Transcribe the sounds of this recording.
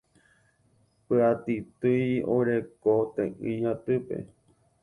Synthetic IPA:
pɨat̪it̪ɨjo̰ɾekot̪ẽʔĩɲãt̪ɨpe̞̰

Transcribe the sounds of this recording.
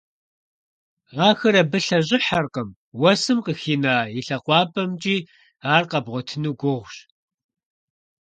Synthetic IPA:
ʁɑːxɐɾɐbɨɬɐʑʼɪħarqəm | wɐsɨmqəxiːnaːjɪɬɐqʷɑːpʼɐmt͡ʃʼiː | aːrqɐbʁʷɔtʰɨnuːɡʷʊʁʷɕ

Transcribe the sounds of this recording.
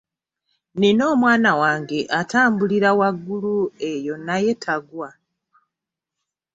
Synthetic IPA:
nino̞ːmwaːnawaːŋɡe̞ʔataːmbuliɾawaɡːulue̞jo̞naje̞tʰaɡwa

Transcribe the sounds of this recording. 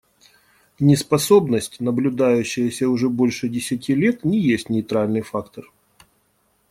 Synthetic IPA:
nʲɪspɐso̞bnəsʲtʲnəblʲʊd̪ajʉɕːɪjəsʲəʊʐɛbo̞lʲʂɨdʲɪsʲɪtʲilʲet̪nʲɪjesʲtʲnʲɪt̪ɾalʲnɨjfakt̪ər

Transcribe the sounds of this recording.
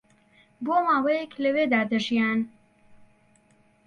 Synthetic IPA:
boːmaːwɛjɛkləweːd̪aːd̪əʒijaːn

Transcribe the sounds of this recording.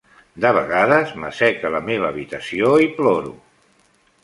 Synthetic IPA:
d̪əβəɣaðəzmə̰sɛkələmeβəːβit̪əsioiploɾṵ

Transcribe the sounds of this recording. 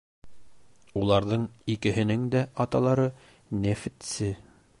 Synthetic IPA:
ulˠɑɾðɤɴikɘ̆ɦɘ̆nɘŋd̪æʔɑt̪ɑlˠɑɾɤ | næfɘt̪sɘ

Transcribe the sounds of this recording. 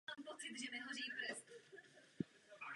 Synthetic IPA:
aːmpot͡sɪt̪ʒɛmɪɦoriːpɾɛst̪u

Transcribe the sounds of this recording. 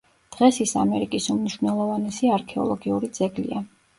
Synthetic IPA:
d̪̥ʁɛsisa̰mɛɾikʼisumniʃwvnɛlˠɔvanɛsiaɾkʰɛɔ̰lˠɔɡiuɾid̪z̥ɛɡlḭa

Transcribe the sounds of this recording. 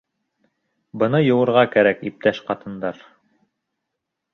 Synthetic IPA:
bɤ̆nɤjɤ̆wɤ̆ɾʁɑkæɾækip̚t̪æʃqɑt̪ɤ̆nd̪ɑɾ

